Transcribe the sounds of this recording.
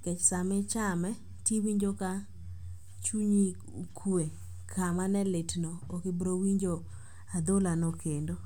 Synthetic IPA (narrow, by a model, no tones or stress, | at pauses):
kɛt͡ʃsamɪt͡ʃamɛ | tiwiɲd͡ʒoka | t͡ʃuɲi | kʰue | kʰamanɛletnoːkɪbɾowiɲd͡ʒo | ad̪olanokendo